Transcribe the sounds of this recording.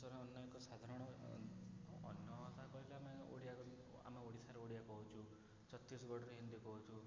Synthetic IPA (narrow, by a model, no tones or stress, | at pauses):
sɔɾɔːnjɔjkɔsad̪ʱaɾɔɽ̃ɔ | njɔɔt̪akɔɦileamao̰ɽija | a̰maoɽisʰaɾɔoɽijakɔɦut͡ʃʰu | t͡ʃɔt̪ːisɔɡɔɽɔɾeɦind̪ikɔɦut͡ʃʰu